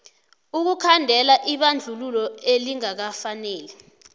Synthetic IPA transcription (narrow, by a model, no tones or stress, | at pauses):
uk̬ukʰandʱɛlaʔiɓand͡ɮʱululɔeliŋak̬afanɛːlɛ